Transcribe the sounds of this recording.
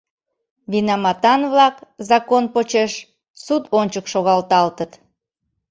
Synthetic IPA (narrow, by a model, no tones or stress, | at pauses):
βinɑmɑt̪ɑnβlɑkzɑkonpot͡ɕeʃ | sut̪onʲt͡ɕəkʃoɣɑlt̪ɑlt̪ət̪